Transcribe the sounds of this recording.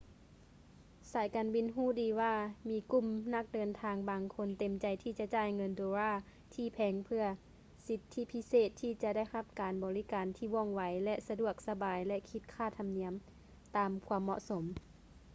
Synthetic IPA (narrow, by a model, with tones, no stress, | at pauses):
saː˨˩˦jkaː˨nbi˧˥˨nɦuː˧˥˨diː˨˦waː˧˩miː˧ku˧˩˨mna˧˥k̚dɤː˨˩nt̪ʰaː˧ŋbaː˨˩ŋkʰo˧nt̪e˨˩mt͡ɕa˨˩jt̪ʰiː˧t͡ɕa˧ʔt͡ɕaː˧˩jŋɤ˧ndoː˧ɾaː˧˥˩ | t̪ʰiː˧˩pʰɛː˨˩ŋpʰɯ˧ɐ | si˧˦t̪ʰːi˧˥pʰi˧˥seː˧˩t̪ʰːiː˧t͡ɕa˧da˥˩jha˧˩p̚kaː˨nbɔː˨li˧˥kaː˨nt̪ʰiː˧˩ʋɔː˧˩˨ŋwa˨˦jlɛ˧ʔsa˧du˧˩ək̚sa˧baː˨˩jlɛ˧ʔkʰi˧˥t̪̚kʰaː˧˥˩t̪ʰa˨mni˧˦əm | t̪aː˨˩mkʰu˧əmːɔ̰˧ʔso˨˦m